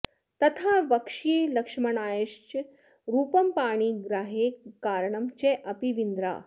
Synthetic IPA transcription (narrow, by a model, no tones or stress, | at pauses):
t̪ɐt̪ʰaʋɐkʂiːlɐkʂmɐnaːjɐʂt͡ɕ | ɾuːpɐmpaːɽ̃iːɡɾaːɦekaːɾɳɐmt͡ɕeʔɐpiʋind̪ɾa̰ː